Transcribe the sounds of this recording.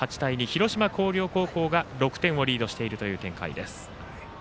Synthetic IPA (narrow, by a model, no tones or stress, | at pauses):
at͡ɕi̥t̪aiɲ̟içiɾo̞ɕimako̞ːɾʲo̞ːko̞ːko̞ːɡaɾo̞kɯ̟̥t̪ẽ̞ɰ̃o̞ɾʲiːd̪o̞ɕi̥t̪e̞iɾɯ̟t̪o̞jɯ̟ːt̪ẽ̞ŋka̰ḭd̪e̞sɨ̥